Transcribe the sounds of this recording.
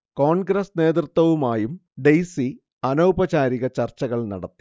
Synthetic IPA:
ko̞ːɳɡɾɐsne̞ːt̪rɨt̪wɐʋumaːjumɖejsi | ɐnɐwbɐt͡ɕaːɾiɣɐt͡ɕɐrt͡ɕːɐɣɐɭnɐ̰ɽɐt̪ːi̥

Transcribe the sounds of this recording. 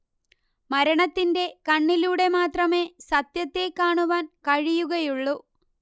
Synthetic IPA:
mɐɾɐɳɐt̪ːinde̞kɐɳːiluːɽe̞maːt̪rɐme̞ːsɐt̪jɐt̪ːe̞kːaːɳuʋaːnkɐɻijuɣɐjuɭːu

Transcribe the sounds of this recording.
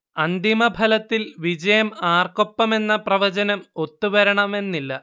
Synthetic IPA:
ɐnd̪imɐbʱɐlɐt̪ːilʋid͡ʑɐjɐmaːrko̞pːɐme̞nːɐprɐʋɐd͡ʑɐnɐmo̞t̪ːuʋɐɾɐɳɐme̞nːilːɐ

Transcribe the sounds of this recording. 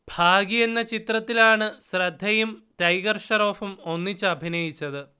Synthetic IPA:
bʱaːɡije̞nːɐt͡ɕit̪rɐt̪ːilaːɳɨɕrɐd̪ʱːɐjumtɐjɡɐrʂɐɾo̞ːfumo̞nːit͡ɕːɨɐbʱinɐjit͡ɕːɐðɨ

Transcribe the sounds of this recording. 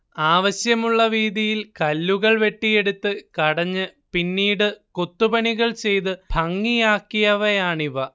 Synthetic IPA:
aːʋɐɕjɐmuɭːɐʋiːd̪ijilkɐlːuɣɐɭʋe̞ʈːije̞ɽut̪ːɨkɐɽɐɲːɨpinːiːɽɨkot̪ːubɐɳiɣɐɭt͡ɕe̞jt̪ɨbʱɐŋːijaːkːijɐʋejaːɳiʋɐ

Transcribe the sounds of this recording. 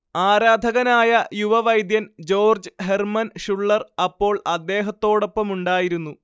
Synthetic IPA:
aːɾaːd̪ʱɐɣɐnaːjɐjuʋɐʋɐjd̪jɐnd͡ʑo̞ːrd͡ʑɨɦe̞rmɐnʂuɭːɐrɐpːo̞ːɭɐd̪ːe̞ːɦɐt̪ːo̞ːɽo̞pːɐmuɳɖaːjiɾunːu

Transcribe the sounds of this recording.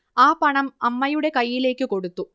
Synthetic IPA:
aːpɐɳɐmɐmːɐjuɽe̞kɐjːile̞ːkːɨko̞ɽut̪ːu

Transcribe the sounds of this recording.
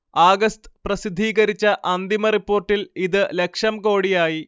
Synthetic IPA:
aːɡɐst̪ɨ̥prɐsid̪ʱːiːɣɐɾit͡ɕːɐʔɐnd̪imɐripːo̞ːrʈːiliðɨle̞kʂɐmko̞ːɽijaːji

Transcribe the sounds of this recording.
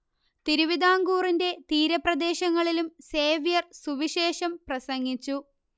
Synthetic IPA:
t̪iɾuʋid̪ʱaːŋɡuːrinde̞t̪iːɾɐprɐd̪e̞ːɕɐŋːɐɭilumse̞ːʋjɐrsuʋiɕe̞ːɕɐmprɐsɐŋːit͡ɕːu

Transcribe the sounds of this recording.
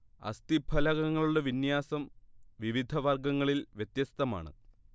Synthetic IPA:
ɐ̰st̪ibʱɐlɐɣɐŋːɐɭuɽe̞ʋinjaːsɐmʋiʋid̪ʱɐʋɐrɡɐŋːɐɭilʋjet̪jɐst̪ɐma̰ːɳɨ̰

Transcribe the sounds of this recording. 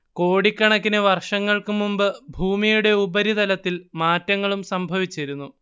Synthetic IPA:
ko̞ːɽikʲːɐɳɐkːinɨʋɐrʂɐŋːɐɭkɨmumbɨbʱuːmijuɽe̞ubɐɾid̪ɐlɐt̪ːilmaːtːɐŋːɐɭumsɐmbʱɐʋit͡ɕːɐɾunːu

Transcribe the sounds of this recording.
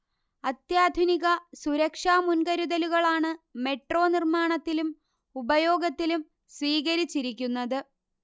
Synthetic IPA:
ɐt̪jaːd̪ʱuniɣɐsuɾɐkʂaːmunkɐɾuðɐluɣɐɭaːɳɨme̞ʈro̞ːnirmaːɳɐt̪ːilum | ubɐjo̞ːɡɐt̪ːilum | sʋiːɣɐɾit͡ɕːiɾik̬ʲːunːɐðɨ

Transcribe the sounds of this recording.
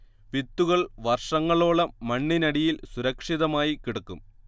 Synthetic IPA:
ʋit̪ːuɣɐɭʋɐrʂɐŋːɐɭoːɭɐmɐɳːinɐɽijilsuɾɐkʂiðɐmaːjikiɽukːum

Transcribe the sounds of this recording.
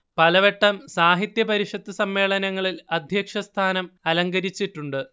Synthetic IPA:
pɐlɐʋe̞ʈːɐmsaːɦit̪jɐpɐɾiʂɐt̪ːɨsɐmːe̞ːɭɐnɐŋːɐɭilɐd̪ʱjɐkʂɐst̪ʰaːnɐmɐlɐŋɡɐɾit͡ɕːiʈːuɳɖɨ

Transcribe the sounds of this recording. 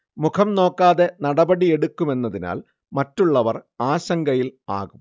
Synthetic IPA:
mukʰɐmno̞ːkːaːðe̞nɐɽɐbɐɽie̞ɽukːume̞nːɐðina̰ːl | mɐtːuɭːɐʋɐraːɕɐŋɡɐjila̰ːɣum

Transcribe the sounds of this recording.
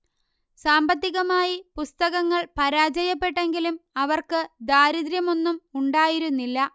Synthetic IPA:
saːmbɐt̪ːiɣɐmaːjipust̪ɐɣɐŋːɐɭpɐɾaːd͡ʑɐjɐpːe̞ʈːe̞ŋɡilumɐʋɐrkɨd̪aːɾiðɾjɐmo̞nːumuɳɖaːjiɾunːilːɐ

